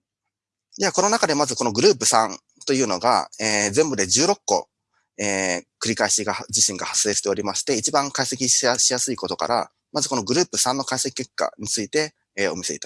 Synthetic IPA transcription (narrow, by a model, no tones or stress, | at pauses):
d̪eako̞no̞nakad̪e̞mazɨko̞no̞ɡɯ̟ɾɯ̟ːp̬ɯ̟sãn | t̪o̞jɯ̟ːno̞ɡa̰eːzẽmbɯ̟d̪e̞d͡ʑɨːɾo̞kːo̞̰ | eːkɯ̟ɾʲikaiɕiɡad͡ʑiɕĩŋɡahḁsɨe̞ɕi̥t̪e̞oɾʲimaɕi̥t̪e̞it͡ɕibãŋkaise̞kʲiɕaɕijasɨiko̞t̪o̞ka̰ɾa̰ | mazɨko̞no̞ɡɯ̟ɾɯ̟ːpɯ̟sãnːo̞kaise̞kʲi̥kːe̞kːa̰ɲ̟it͡sɨit̪e̞ | eːo̞̰mʲiseḭt̪a